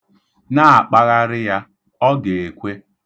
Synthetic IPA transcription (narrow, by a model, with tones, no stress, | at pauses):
na˦a˨k͡pa˦ɣa˦ɾɪ˦ja˦ | ɔ˦ɡe˨e˨kʷe˦